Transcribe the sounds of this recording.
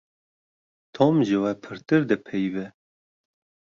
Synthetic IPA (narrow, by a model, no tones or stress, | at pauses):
t̪ʰomʒɨwɛpʰɨɾt̪ɨɾd̪ɨpʰɛjbɛ